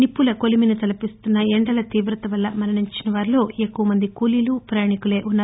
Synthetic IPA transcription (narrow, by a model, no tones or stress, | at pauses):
nipːulɐko̞liminut̪ɐlɐpist̪unːɐeɳɖɐlɐt̪iːbɾɐt̪ɐʋɐlːɐmɐnɐɳiɲt͡ʃinɐʋaːɾilo̞ːeːkːuʋɐmɐnd̪ikuːliluːpɾɐjaːɳikule̞ːʔunːaː